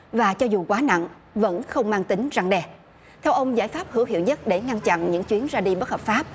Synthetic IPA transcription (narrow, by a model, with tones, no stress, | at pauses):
vaː˨˩t͡ɕɔ˧zu˨˩kwaː˨˦na̰˧˨n | və̰˧˥nxə˧wŋ͡mmaː˧ŋt̪ï˨˦ŋza˧ŋɗɛ˧˩ | t̪ʰɛ˧wʔə˧wŋ͡mzaː˧˩jfaː˦˥p̚hɨ˧˥˦ɦḭ˧˨wɲə˦˥t̚ɗe˧˩ŋa˧nt͡ɕa̰˧˨nɲɨ̰˧˥ŋt͡ɕwi˨˦ənzaː˧ɗi˧ɓə˦˥t̚həː˨˩faː˦˥p̚